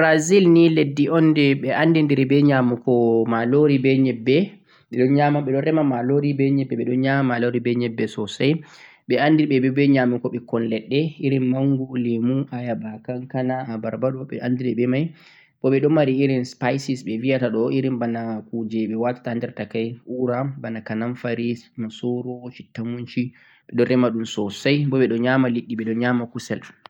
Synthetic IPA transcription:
bɾazilniledːiʔɔndɛɓɛʔandindiɾɛbɛɲamukɔmaloɾibɛɲɛbːɛ | ɓɛɗɔnɲamaɓɛɗɔnɾɛmamaloɾibɛɲɛbːɛɓɛɗɔnɲamamaloɾibɛɲɛbːɛsɔsaj | ɓɛandiɓɛbɛbɛɲamukɔɓɛkɔnlɛɗːɛiɾinmaŋɡulimuʔajabakaŋkanaabaɾbaɗɔɓɛ̰ʔandiɾɛɓɛmaj | bɔɓɛɗɔnmaɾiiɾinspajsisɓɛviataɗɔʔiɾimbanakud͡ʒɛɓɛwatḁtaandɛɾtakajuɾabanakananfaɾismasɔɾɔt͡ʃitːamuɲt͡ʃi | ɓɛɗɔnɾɛmaɗunsɔsajbɔɓɛɗɔɲamaliɗːiɓɛɗɔnɲamakusɛl

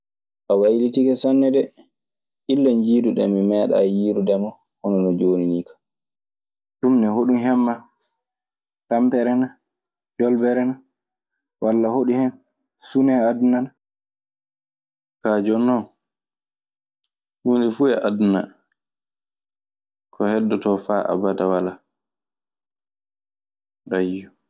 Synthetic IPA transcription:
ʔawajilitikɛsanːɛdɛ | ʔilːaɲd͡ʒiːduɗɛ̰mimɛːɗa̰jiːɾuɗɛmɔ | hɔnɔnɔd͡ʒoːniniːkʰḁ | tumnɛhoɗumɦɛmːa | tampɛɾɛna | d͡ʒɔlbɛɾɛna | walːahoɗihɛn | sunɛadunana | kad͡ʒɔnːɔ | wundɛfuɛʔaduna̰ | kʰɔhɛdːɔtɔfaʔa̰badawala | ɾajːu

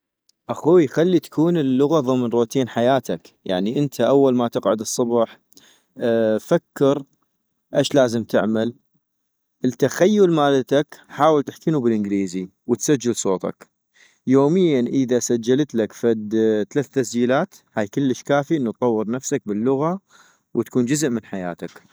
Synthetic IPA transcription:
ʔaxuːjxalːit̪ḁkʰuːnəlːʊɣaðˤɨmnɾoːt̪iːnħajaːt̪ʰak | ja̰ʕniʔənt̪ʰaʔawːalmat̪ɪqʕʊd̪ɨsˤːɑbħ | fakːɪɾ | ʔaʃlaːzəmt̪ɪʕmal | ʔət̪axajːʊlmaːlat̪akħaːwəlt̪ɪħkiːnubɪlʔɪnɡliːziwət̪sad͡ʒːɪlsˤoːt̪ˤɑ̰k | joːmɪjːanʔəðasad͡ʒːalt̪lakfad̪t̪alaːθt̪asd͡ʒiːlaːt̪ | haːjkəlːəʃkaːfiʔɪnːut̪tˤɑwːɨɾˤnafsak̚bɪlːʊɣa | wt̪ḁkuːnd͡ʒʊzʔmɪnħaja̰ːt̪ak

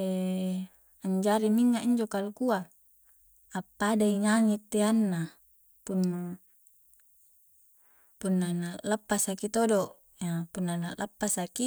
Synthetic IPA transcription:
e | aɲd͡ʒaɾimiɲːaʔiɲd͡ʒokalkua | apːadaiŋaŋit̪ːeanːa | punːa | punːanalapːasakit̪odoʔ | apunːanalʔapːasaki

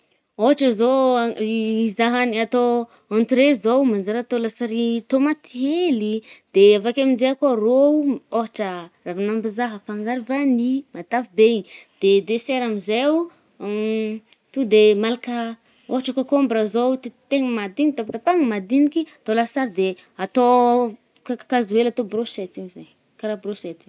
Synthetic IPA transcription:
oɦaʈ͡ʂəzo | izaɦaniat̪o | ãnt̪ɾezowmand͡ʒaɾət̪olasaɾit̪omat̪ielid̪̥eavakʲamind͡ʒeakarooɦaʈ͡ʂəravanambizaɦəfaŋɡaɾivanimat̪avibeiɲid̪̥ed̪eseɾamizeu | t̪ud̪emalakə | oɦaʈ͡ʂakakombɾazot̪it̪eŋəmad̪init̪apt̪apaŋəmad̪inikiat̪olasaɾid̪eat̪o | kakakazuelat̪obroset̪iŋizaɲ | kaɾabroset̪i

